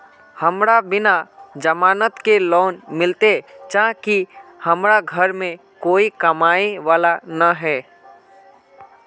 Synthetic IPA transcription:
hɐmɾabɪnad͡ʒəmaːnət̪kelɔːnmɪlt̪et͡ʃãːkihɐmɾaɡʱəɾmẽ | koːikɐmaːeʋaːlanaɦɛː

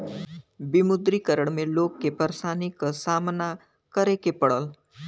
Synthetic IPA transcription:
bɪmʊd̪ɾikəɾəɽ̃mẽloːɡ̚kepəɾʃaːnɪksaːmna | kəɾekepɐɽəl

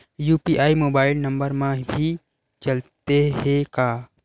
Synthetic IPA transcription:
juːpiʔaːimoːbaːɪlnɐ̃mbəɾmãbʱi | t͡ʃɐlt̪eɦẽkaː

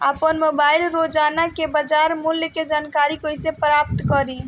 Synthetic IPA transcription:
apənmobailɾod͡ʒanakebad͡ʒaɾmuljked͡ʒankaɾikojsepɾap̚t̪kəɾi

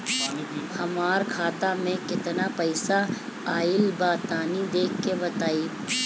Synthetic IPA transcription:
hɐmaːɾkʰaːt̪amẽkɪt̪napɐɪsa | aːɪlbaːt̪aːnid̪eːkʰːebɐt̪aːiː

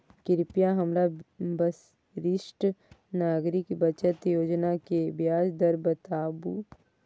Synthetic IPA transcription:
kɪɾɪpjaɦɐmɾabəs | ɾɪʃʈnaːɡɾɪkbɐt͡ʃət̪joːd͡ʒnakebjaːd͡ʒd̪əɾbət̪aːbu

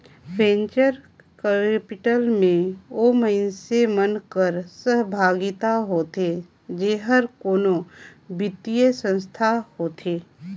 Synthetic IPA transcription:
bẽːɲt͡ʃəɾ | kəpɪʈəlmẽoːməɪnsemənkəɾsəɦbʱaːɡɪt̪aɦoːt̪e | d͡ʒeːɦəɾkoːnobɪt̪ijəsə̃nst̪ʰahoːt̪ʰeː

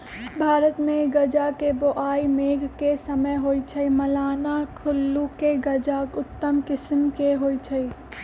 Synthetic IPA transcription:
bʱaːɾət̪mẽɡɐd͡ʒakeboʔaːimeːɡʱkesəməjɦoːit͡ʃʰɐimɐlaːnakʰʊlːukeɡɐd͡ʒakʊt̪ːəmkɪsmkeɦoːit͡ʃʰɐi

